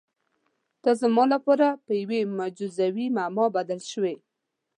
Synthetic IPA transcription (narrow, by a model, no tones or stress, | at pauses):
t̪ɑzəmɑlapɑɾapəjawemad͡ʒuzawimamɑbad̪alʃəwe